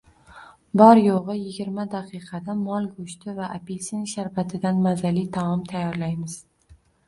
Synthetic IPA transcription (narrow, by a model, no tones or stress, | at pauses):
bɒɾjoʁɨjɪɡʲɪɾmad̪aqʰɨqʰɑd̪amɒlˠɡʊʃt̪ʰɪvaʔapelʲsɪnʃaɾpat̪ʰɪd̪anmazalit̪ʰaɒmt̪ʰajːɒɾlajmɪz̥